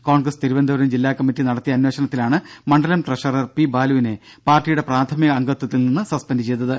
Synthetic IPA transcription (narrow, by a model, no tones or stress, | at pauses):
ko̞ːɳɡrɐst̪iɾubɐnd̪ʱɐʋɐɾɐmd͡ʑilːaːkːɐmːitːinɐɽɐt̪ːijɐnwe̞ːɕɐnɐt̪ːilaːɳɨmɐɳɖɐlɐmʈreʂɐrɐrpibaːluʋine̞ | paːrʈːijuɽe̞praːt̪ʰɐmiɣɐːŋɡɐt̪ːwɐt̪ːilninːɨsɐspɐndɨt͡ɕe̞jt̪ːɐðɨ